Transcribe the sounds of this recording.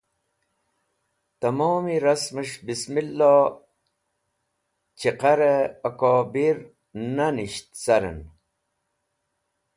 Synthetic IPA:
t̪ɐmoːmiɾɐsməʂbismilːo | t͡ɕiqaɾeːkoːbiɾ | naniɕt̪sɐɾə̰n

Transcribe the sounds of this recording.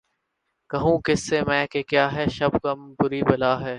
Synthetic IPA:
kɐɦũːkɪsːeːmɛ̃ːkekjaːɦɛːʃɐbkɐmpʊɾiːbɐlaːɦɛː

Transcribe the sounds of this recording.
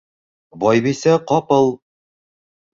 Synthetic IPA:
bɒjbisæqɒpɤlˠ

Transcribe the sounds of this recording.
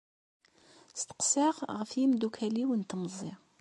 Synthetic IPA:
st̪ə̥qsiʁʁəfjimd̪ukʰæliwənt̪məzˤɪ

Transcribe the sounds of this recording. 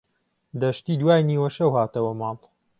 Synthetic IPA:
d̪ɐʃt̪iːd̪waːjniːwɐʃɐwhaːt̪ɐwɐmɑːl

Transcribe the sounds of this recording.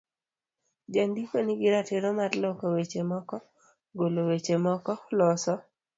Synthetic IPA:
d͡ʒand̪ikonɪɡɪɾatɪɾomaɾlɔkɔwet͡ʃemɔkɔ | ɡolowet͡ʃemɔkɔlɔsɔ

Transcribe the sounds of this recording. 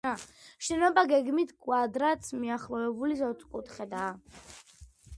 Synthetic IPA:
aʃɛnɔbaɡɛɡmit̪ʰkʼwad̪ɾat̪smiaχlˠɔvɛbulizɔt̪sʼkʼut̪ʰχɛd̪aː

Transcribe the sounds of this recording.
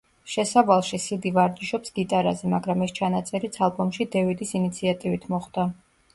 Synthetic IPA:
ʃɛsavalˠʃisid̪ivaɾd̪iʃɔpsɡ̥it̪ʼaɾa̰zɛmaɡɾamɛst͡ʃʰanat̪sʼɛɾit̪sʰalˠbɔmʃid̪ɛvid̪isinit̪sʰiat̪ʼivit̪ʰmɔχd̪̥a

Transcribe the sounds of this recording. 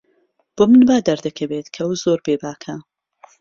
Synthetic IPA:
b̥omɨnbaːd̪ɐɾd̪ɐkʰɐbeːt̪kʰɐwzoːɾbeːbaːkʰɐ

